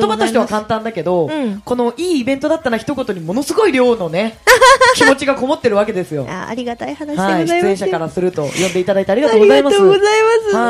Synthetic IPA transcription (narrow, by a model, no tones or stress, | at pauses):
t̪omat̪o̞ɕit̪eakãnt̪ãnd̪ake̞d̪o̞ko̞no̞ʔiːbẽ̞nt̪o̞d̪at̪ːaɾaçi̥t̪o̞ko̞t̪o̞ɲ̟imo̞no̞sɨɡo̞iɾʲo̞ːno̞nekʲimo̞t͡ɕiɡako̞mo̞t̪ːe̞ɾɯ̟β̞ake̞d̪e̞sɨjo̞̰a̰a̰ɾʲiɡat̪aihanahaiç̥ɨẽɕakaɾasɨɾɯ̟t̪o̞jõ̞nd̪e̞it̪ad̪ait̪aɾiɡat̪oːɡozaimaoːɡozaimasɨa